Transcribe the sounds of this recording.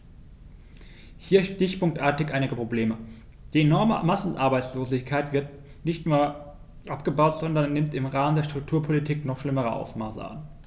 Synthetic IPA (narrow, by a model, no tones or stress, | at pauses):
hiːɐʃtɪçpʊŋk̚tʔaːɐtɪçʔaɪnɪɡəpʁ̥obleːmə | d̥iːenɔɐm̰masn̩ʔaɐbaɪt͡sloːzɪçkʰaɪtv̥ɪɐt | nɪçtnuːɐ | ʔapɡ̥əbaʊtz̥ɔndɐnːɪmtɪmʁaːməndeːɐʃtʁ̥ʊk̚tʰuːɐpʰolitʰiːknɔχʃlɪməʁ̞əʔa̰ʊsmaːsə̰a̰n